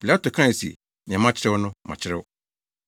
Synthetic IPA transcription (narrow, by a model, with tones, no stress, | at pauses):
pʰi˨la˦to˨kʰã˦˨sḭ˨ | nɪ̃˨ã˨mã˦t͡ɕʰɪ˦ɾɪ˦wʊ˦nʊ̃˦mã̰˨t͡ɕʰɪ˦ɾɪ˦wʊ˦